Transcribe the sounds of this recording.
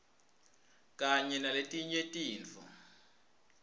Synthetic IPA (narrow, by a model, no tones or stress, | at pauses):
kʼaɲɛnaletʼiɲetʼiːnt͡fʰɔ̰